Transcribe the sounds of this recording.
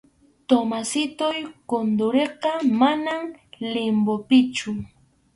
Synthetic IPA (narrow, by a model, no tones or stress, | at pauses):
t̪omasɪt̪ʊjkond̪ʊɾeqɑmanamlɪmbopɪt͡ʃʊ